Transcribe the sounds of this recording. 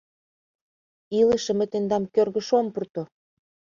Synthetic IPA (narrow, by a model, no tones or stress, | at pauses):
iləʃə̆mə̆t̪end̪ɑmkørɣə̆ʃompurt̪o